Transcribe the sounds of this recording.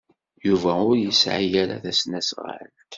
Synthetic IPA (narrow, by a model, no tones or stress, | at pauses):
juvæʊɾjəsʕijæɾa̰θæsnæsʁa̰ɾə̰nt̪